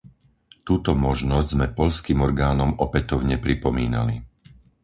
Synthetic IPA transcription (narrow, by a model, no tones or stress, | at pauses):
t̪uːt̪ɔmɔʒnɔzɟzmɛpɔʎskiːmɔɾɡaːnɔmɔpɛt̪ɔʊɲɛpɾipɔmiːna̰li